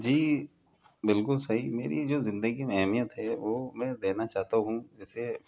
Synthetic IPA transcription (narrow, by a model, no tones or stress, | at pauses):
d͡ʒiː | bɪlkʊlsɐɦimeːɾid͡ʒoːzɪ̃nd̪əɡimẽɛɦmijət̪ɦɛːʋoːmɛ̃ːd̪eːnat͡ʃaːɦt̪aɦũd͡ʒɛːse